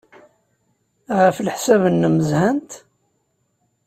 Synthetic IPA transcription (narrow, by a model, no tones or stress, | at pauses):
ʁəflħsæβənːəməzhænt̪